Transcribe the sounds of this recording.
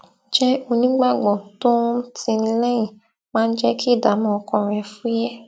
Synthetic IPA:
d͡ʒɛ˦o˧nĩ˦ɡ͡ba˦˨ɡ͡bɔ̃˨to˦tĩ˧nĩ˧lɛ˦jĩ˨ | mãː˦˧n̩˦d͡ʒɛ˦ki˦˨da˨˦mɔ̃˨ɔ˧kɔ̃˧˨ɾ̃ɛ˧˨fu˦jɛ˦

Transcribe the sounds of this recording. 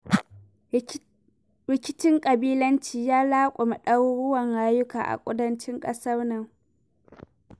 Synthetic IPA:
ɾɪ˨kʲɪ˦t͡ʃɪ˦ŋkʼɐ˨biː˦lɐ˦nt͡ʃiː˨jaː˦laː˦kʷʼʊ˨ma˨ɗɐ˦wɽʊ˦wɐ˨ŋɽaː˦jʊ˦ka̰ː˨ʔa̰˨kʷʼʊ˦dɐ˦nt͡ʃɪ˦ŋkʼɐ˦sɐ˦rnɐ˦˨ŋ

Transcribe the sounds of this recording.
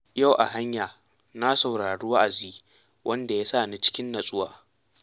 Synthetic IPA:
ja˦˨wʔa˨ɦa˦ɲjaː˨ | na˦sa˨wɽaː˨ɽuː˦wa˦ʔa˨ziː˦ | wʔɐ˦nda˨ja˦saː˦˨ni˦t͡ʃɪ̥˦kʲɪ˦nːɐ˨sʼʊ˦waː˨

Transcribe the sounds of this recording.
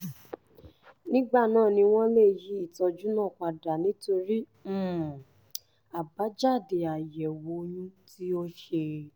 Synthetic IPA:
nĩ˦ɡ͡ba˦˨nãː˦˨nĩ˧w̃ɔ̃˦le˦˨ji˨˦i˦˨tɔ˧d͡ʒu˦nã˦˨k͡pa˨da˨nĩ˨˦to˧ɾi˦ | m̩˦˨ | a˨ba˨˦d͡ʒa˦˨de˨a˨jɛ˨wo˨˦jũ˦ti˦o˦ʃe˧

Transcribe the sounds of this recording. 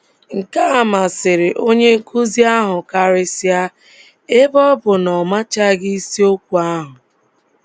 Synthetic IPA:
ŋ̩˨ka˦a˨ma˨sɪ˨ɾɪ˨ʔo˦ɲe˦ŋ̩˦ku˦zi˦a˦ɦʊ˨ka˦ɾɪ˦si˦a˦ | e˦bɔ˦bʊ˨nɔ˨ma˦t͡ʃa˦ɡi˦i˦si˦o˦kʷu˨a˦ɦʊ˨

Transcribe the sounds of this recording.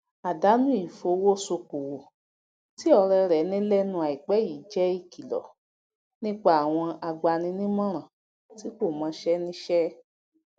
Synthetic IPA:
a˨da˨˦nũ˦i˦˨fo˧˦wo˦so˧ko˨wo˨ | ti˦ɔ˧ɾɛ˧ɾɛ˨˦nĩ˦lɛ˦nũ˧a˨i˨k͡pɛ˦ji˨˦d͡ʒɛ˦i˦˨ki˨lɔ̰˨ | nĩ˦k͡pa˦˨a˨w̃ɔ̃˧a˧ɡ͡ba˧nĩ˧nĩ˦mɔ̃˦ɾ̃ã˨ | ti˨˦ko˦˨mã˨˧˦ʃɛ˦nĩ˦ʃɛ˦

